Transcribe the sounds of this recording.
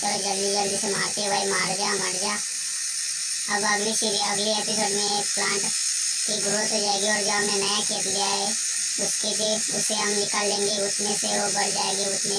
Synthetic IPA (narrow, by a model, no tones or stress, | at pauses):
əɾd͡ʒəlːid͡ʒəldisema̰ːɾk̪eʋəemaːɾd͡ʒaːməɽd͡ʒaː | ɐbəɡleʃid͡ʒeɐɡleeːpɪsoːɖmẽeːkplãːɳʈ | kiɡɾoːt̪od͡ʒaːeɡiɔːɾd͡ʒãːmẽnəjakeːt̪ɡɪjaɦɛː | ʊsked͡ʒe | ʊsːeɦəmnɪkʰaːlːẽːŋɡeʊsmẽseobəɽd͡ʒaːeːɡeʊsmẽ